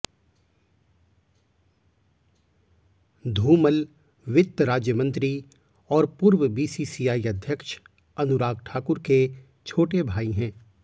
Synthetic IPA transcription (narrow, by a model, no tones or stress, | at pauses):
d̪ʱuːməl | ʋɪt̪ːɾaːd͡ʒjəmə̃nt̪ɾi | ɔːɾpʊːɾwəbiːsiːsiːaːiɐd̪ʱjəkʃ | ɐnʊɾaːɡʈʰaːkʊɾke | t͡ʃʰoːʈebʱaːiɦɛ̃ː